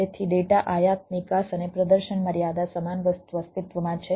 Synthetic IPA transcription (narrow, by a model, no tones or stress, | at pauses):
et̪ʰiɖeʈaʔajat̪̚nikasənepɾəd̪əɾʃənməɾjad̪asəmanʋət̪uʋəst̪it̪ʋəmãt͡ʃʰe